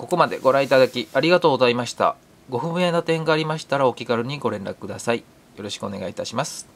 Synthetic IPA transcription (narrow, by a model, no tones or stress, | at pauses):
ko̞ko̞mad̪e̞̰ɡo̞ɾãit̪ad̪akʲiaɾʲiɡat̪o̞ːɡozaimaɕi̥t̪a̰ | ɡo̞ɸɯ̟bɯ̟̃jenot̪ẽ̞ŋɡaːɾʲimaɕi̥t̪aɾaokʲiɡaɾɯ̟ɲ̟iɡo̞ɾẽ̞nɾa̰kɯ̟̥kɯd̪asai | jo̞ɾo̞ɕi̥kɯ̟o̞ne̞ɡait̪aɕimasɨ̥